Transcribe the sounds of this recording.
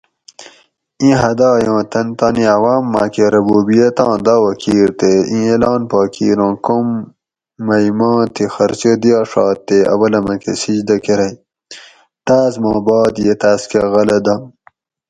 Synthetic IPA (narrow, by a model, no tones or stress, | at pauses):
ĩɦɐd̪ɑːjɑ̃ːt̪ɐnt̪aːniɐwaːmːa̰keɾɐbuːbijet̪ɑ̃ːd̪aːwɐkiːɾt̪eĩelɑːnpɑːkʰḭːɾɑ̃ːkomː | ɐimɑ̃ːt̪ixɐɾt͡ɕed̪ijɑːʂɑ̰ːt̪ːeɐ̰wɐlɐmɐkḛsid͡ʑd̪ɐkeɾɐj | t̪aːzmɑ̃ːbɑːd̪jet̪aːskeɣɐlɐd̪ɐ